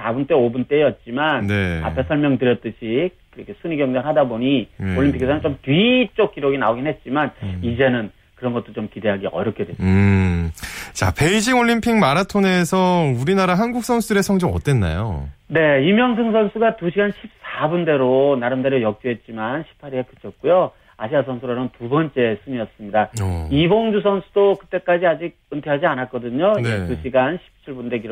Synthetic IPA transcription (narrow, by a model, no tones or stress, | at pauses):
sabunt͈e̞obunt͈e̞jʌt̚t͡ɕ͈imanne̞a̰pʰe̞sʰʌɭmjʌŋdɯɾjʌt̚t͈ɯɕʰi | kɯɾʌkʰesʰuɲiɡjʌŋd͡ʑaŋɦadaboɲioɭːimpʰikʰesʰʌnɯnt͡ɕomtɥit͡ɕ͈ok̚k͈iɾoɡinaoɡinɦe̞t̚t͡ɕ͈imanid͡ʑe̞nɯn | kɯɾʌnɡʌt͈ot͡ɕomkide̞ɦaɡiʌɾjʌkʰedwe | t͡ɕa̰pe̞id͡ʑiŋoɭːimpʰiŋmaɾatʰone̞sʰʌuɾinaɾaɦanɡuk̚s͈ʰʌnsʰudɯɾe̞sʰʌŋd͡ʑʌŋʌt͈we̞nːa̰jo̰ne̞imjʌŋs̬ʰɯŋs̬ʰʌnsʰuɡatuɕʰiɡanɕʰip̚s͈abunde̞ɾonaɾɯmdaɾjojʌk̚t͡ɕ͈uɦet̚t͡ɕ͈imanɕʰi̥pʰaɾiekɯ̥t͡ɕʰʌt̚k͈ujo | aɕʰiasʰʌnsʰuɾaɾɯntubʌnt͡ɕ͈e̞s͈ʰɯmiʌs͈ɯmɲidaiboŋd͡ʑus̬ʰʌnsʰudokɯt͈e̞k͈ad͡ʑiad͡ʑiɡ̚ | ɯntʰeɦad͡ʑianat̚k͈ʌdɯɲonetuɕʰiɡanɕʰi̥p̚t͡ɕʰiɭbunde̞kiɾo